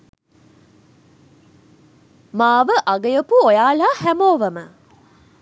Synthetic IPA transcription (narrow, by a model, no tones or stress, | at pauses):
maːʋəʔaɡəjəpuojaːlaːhæmoːʋəmə